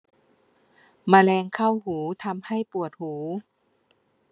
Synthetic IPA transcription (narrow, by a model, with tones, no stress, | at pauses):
maː˧lɛː˧ŋkʰa˥˩whuː˩˦t̪ʰa˧mha˥˩jpu˨˩ət̪̚huː˩˦